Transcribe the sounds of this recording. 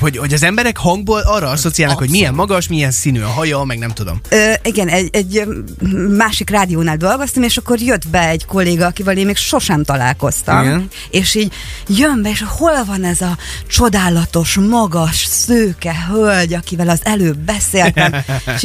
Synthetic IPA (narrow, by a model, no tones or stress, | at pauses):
hoɟho̞ɟɒzɛmbɛɾɛkhɒŋɡ̚boːlɒːrːɒɒso̞t̪sijalnɒkhoɟmiɛmːɒɡɒʃmiɛnsinyɒ̰ɦɒjɒmɛɡ̚nɛmt̪ud̪o̞̰møiɡɛnɛɟɛɟː | maːʃikraːd̪ijoːnaːld̪o̞lɡo̞st̪ɒmeːʃɒkːo̞rjød̪bɛɛɟko̞lːeːɡɒːkivɛleːmmeːkʃo̞ʃɛmt̪ɒla̰ːlko̞st̪ɒ̰m | eːʃiːɟjømbɛeːʃho̞lvɒnɛzɒt͡ʃo̞d̪aːlɒt̪o̞ʃmɒɡɒʃsøːkɛɦølɟɒkivɛlɒzɛløːbːɛseːlt̪ɛm